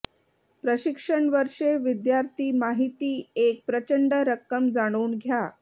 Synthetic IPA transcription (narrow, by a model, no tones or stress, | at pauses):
pɾəɕikʂəɳʋəɾʂeʋid̪jaɾt̪ʰiːmaɦit̪iːek̚pɾət͡ɕəɳɖəɾəkːəmd͡zaɽ̃uːnɡʱja